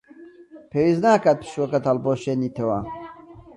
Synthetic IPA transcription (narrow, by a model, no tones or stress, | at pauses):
pʰeːwiznaːkaːt̪̚pʰɨ̥ʃwokɐt̪ɐlboːʃeːniːt̪ʰɐwɐ̰